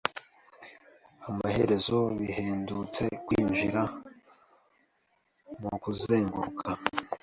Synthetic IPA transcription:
amahe̞ɾe̞zo̞βiɦeːndut͡se̞kwiːɲʒiɾa | mukuzeːŋɡuɾukʰa

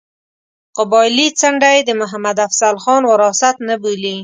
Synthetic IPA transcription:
qʊbɑjlit͡saɳɖajd̪əmʊɦamad̪afsalxɑnwaɾɑsat̪nabuli

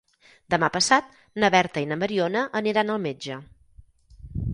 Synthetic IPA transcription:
d̪əmapəsat̪̚ | nəβɛɾt̪əinəməɾionəʔəniɾanəlˠmed͡ʒə

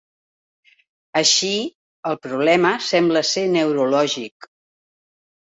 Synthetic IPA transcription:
əʃi | əlˠpɾuβ̞lɛməsɛmbləsenəwɾulɔʒik

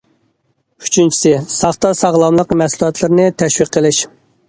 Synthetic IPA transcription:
y̥t͡ʃʰynt͡ʃʰi̥sɪsɑχt̪ɑsɑʁlˠɑmlˠəqmɛsulˠɑt̪ʰlˠɨɾnɪt̪ʰɛʃwiqʰːəlˠɪʃ

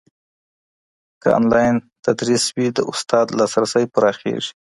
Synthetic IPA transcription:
kaɑ̰nlɑjnt̪ad̪ɾiswid̪əʊst̪ɑd̪lɑsɾasəjpəɾɑxḛʐi̥

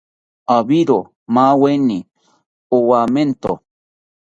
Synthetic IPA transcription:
abiɾo | mawenːi | owament̪o̰

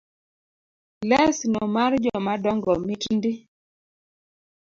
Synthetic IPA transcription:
lɛsnɔmard͡ʒɔmadɔŋɡɔmɪtndɪ

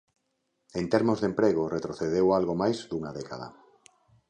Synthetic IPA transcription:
ent̪eɾmozðempɾeɣ̞oret̪ɾoθeðewalɣomajzd̪uŋaðɛka̰ða̰

